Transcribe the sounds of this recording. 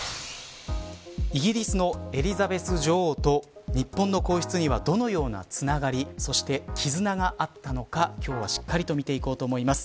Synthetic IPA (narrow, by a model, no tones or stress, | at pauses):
iɡʲiɾʲisɨno̞e̞ɾʲizabe̞sɨʑo̞ːt̪o̞ɲ̟ipːõ̞nːo̞ko̞ːçɨ̥t͡sɨɲiβad̪o̞no̞jo̞ːna̰t͡sɨnaɡaɾʲiso̞ɕi̥t̪e̞kʲʰizɨnaɡaʔat̪ːano̞kakʲo̞ːβaɕi̥kːaɾʲit̪o̞mʲit̪e̞iko̞ːt̪o̞ːmo̞imasɨ̥